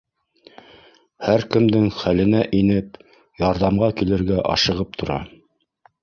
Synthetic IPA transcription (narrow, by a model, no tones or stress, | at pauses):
hæɾkɘ̆md̪ɘŋχælɘ̆næʔinɘp̚ | jɑɾðɑmʁɑkilɘ̆ɾɡæʔɑ̰ʃɤ̆ʁɤp̚t̪ʰŏɾɑ̰